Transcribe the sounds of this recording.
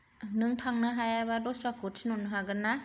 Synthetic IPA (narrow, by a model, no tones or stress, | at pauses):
nɯŋt̪ʰaŋnaɦajabadusakutʰnunɦaɡɯna